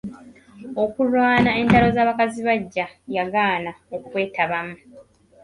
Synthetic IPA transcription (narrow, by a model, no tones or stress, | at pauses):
o̞kulwaːnae̞ntaɾo̞zaːβakaziβaɟːajaɡaːnaokukwe̞ːtaβamu